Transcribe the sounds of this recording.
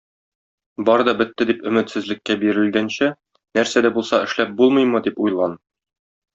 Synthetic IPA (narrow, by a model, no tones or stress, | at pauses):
bɒɾɤd̪ɒbɘ̆t̪ːɘd̪ipɵ̆mɘ̆t̪sɘ̆zlɘ̆kːæbiɾɘ̆lɡænɕæ | næɾsæd̪æbulˠsɑɘ̆ʃlæp̚bulˠmɤ̆jmɤ̆d̪ipujlˠʁɑn